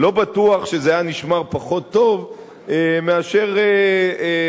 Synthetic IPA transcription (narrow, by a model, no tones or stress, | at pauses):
lo̞batuaχʃezeajaniʃmaʁpaχo̞t̪ːo̞v | emeaʃe̞ʁe